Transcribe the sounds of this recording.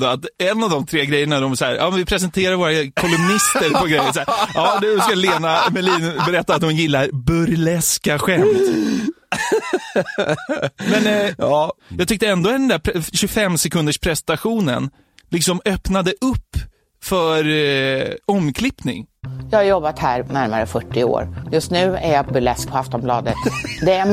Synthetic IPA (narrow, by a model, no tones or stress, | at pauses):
d̪oat̪ɛnːavd̪ɔmt̪ʰɾeːɡɾɛjːəɳaɖ̪ɔmsæ̰ːɾɑ̰ːmɛnvɪpʰɾɛsɛnt̪ʰeːɾad̪əvoːɾakʰɔlɵmnɪst̪əɾpʰɔɡɾɛjːənsæːɾɑːd̪skaleːnamɛliːnbɛɾɛt̪ːat̪̚d̪ɔmjɪlːaɾbɵɾlɛskaɧɛmt̪ | mɛnjɑːjɑːɡ̚t̪ʏk̚t̪əɛnd̪od̪ɛnd̪æːɾpʰɕɵfɛmːsɛkʰɵnd̪əʂpʰɾɛst̪aɧuːnə̰n | lɪksɔmœpnad̪əʔɵpː | fœɾ | ɔmːkʰlɪpnɪ̰ŋjɑːhaɾjɔbːat̪hæːɾnæɾma̰ɾəfœʈːɪo̰ːɾjɵst̪nʉ̟ːæ̰ɾjapʰɔbœlɛsk̚pʰɔaft̪ɔmblɑ̰ːd̪ət̪d̪ɛæ